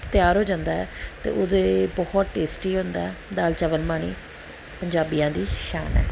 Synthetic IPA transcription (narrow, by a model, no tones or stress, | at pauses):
t̪ɪjaːɾɦoːd͡ʒãːnd̪aːɛ̰ːt̪ḛːʔod̪eːbɔht̪̚ʈeːsʈiːɦõːnd̪aːɛːd̪aːlt͡ʃəʋəlmaːɽ̃ḭː | pəɲd͡ʒaːbijãːd̪iːʃa̰ːnɛ̰ː